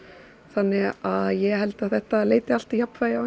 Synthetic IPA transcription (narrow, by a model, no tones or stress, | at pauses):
θanːɪɣaðjɛhɦɛlt̪aðθɛht̪aleːjt̪ɪal̥t̪japnvajɪaw